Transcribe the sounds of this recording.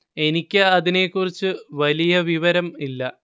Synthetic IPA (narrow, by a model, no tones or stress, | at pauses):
e̞nikʲːɨɐðine̞kːurit͡ɕːɨʋɐlijɐʋiʋɐɾɐmilːɐ